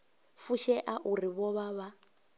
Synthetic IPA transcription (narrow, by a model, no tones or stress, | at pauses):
fuʃɛʔaʔuɾiβɔβaβa